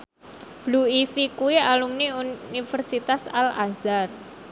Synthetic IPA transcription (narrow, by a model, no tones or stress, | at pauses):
b̥luifikuwialumniunifərsit̪asala̰zar